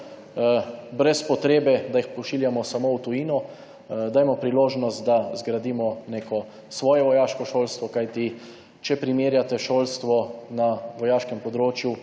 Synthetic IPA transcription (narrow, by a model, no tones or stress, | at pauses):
bɾɛspɔt̪ɾeːbɛd̪ajixpɔʃiːljamɔsamowt̪ujiːnɔ | d̪aːjmɔpɾiloːʒnɔst̪d̪azɡɾad̪iːmɔneːkɔ | sʋɔːjɛʋɔjaːʃkɔʃoːlst̪ʋɔkajt̪i | t͡ʃɛpɾimeːɾjat̪ɛʃoːlst̪ʋɔnaʋɔjaːʃkɛmpɔd̪ɾoːt͡ʃju